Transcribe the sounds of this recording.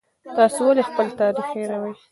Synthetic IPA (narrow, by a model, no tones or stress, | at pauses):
t̪ɑsowalexpəlt̪ɑɾixeɾawaj